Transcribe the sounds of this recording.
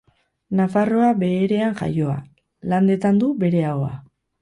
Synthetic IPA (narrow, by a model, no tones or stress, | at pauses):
nafaro̞abe̞ːɾe̞aŋʝa̰jo̞a̰ | land̪e̞t̪and̪ube̞ɾe̞aoa̰